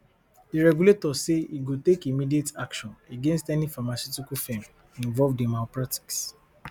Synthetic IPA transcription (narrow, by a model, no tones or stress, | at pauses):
diɹɛɡuletɔseiɡotekimidietakʃɔ̃neɡẽnstɛnifamasjutikufẽm | ĩɱvɔvdimaopɹati̥ks